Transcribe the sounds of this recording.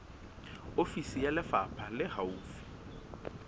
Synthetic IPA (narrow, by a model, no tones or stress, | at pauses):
ofisijalɪfapʰalɪhauːfi̥